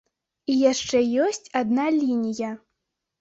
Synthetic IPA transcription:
ijaʂt͡ʂɛjɔsʲt͡sʲad̪nalʲinʲijɐ

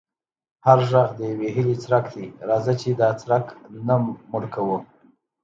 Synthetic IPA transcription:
haɾʒaɣd̪əjaweɦɪlit͡sɾakd̪iɾɑzat͡ʃed̪ɑt͡sɾaknamʊɽkawu

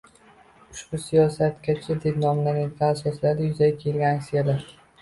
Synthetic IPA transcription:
ʊʃbʊsijɒsat̪kʲat͡ʃʰɪd̪epnɒmlanjad̪ɡʲanasɒslaɾd̪ɪjʊzaɡʲakʲʰe̞lɡʲanaksijalaɾ

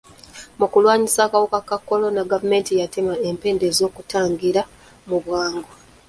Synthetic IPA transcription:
mukulwaːɲisaːkawukakakːo̞lo̞naɡavume̞ːntijatemaempe̞ːnde̞zo̞ːkutaːŋɡiɾa | muβwaːŋɡo

